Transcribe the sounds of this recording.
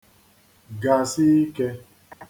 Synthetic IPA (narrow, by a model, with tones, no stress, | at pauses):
ɡa˨si˦i˦ke˦